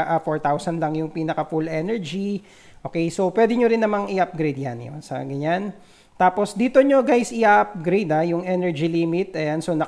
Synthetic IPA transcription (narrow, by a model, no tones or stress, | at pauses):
ʔafoɹt̪awsɐnlɐŋjʊŋpiːnɐkɐfulʔɛnɛɹd͡ʒi | ʔʔo̞ːkɛjsopwɛːd̪ɪɲoɾɪnːɐmaŋɪʔap̚ɡɾejd̪̚janjo̰nsɐ̰ɡɐɲan | t̪aːpo̞sd̪iːt̪o̞ɲo̞ɡajsɪʔaʔap̚ɡɾejd̪ajʊŋʔɛnɛɹd͡ʒiliːmɪt̪ɛjansonɐ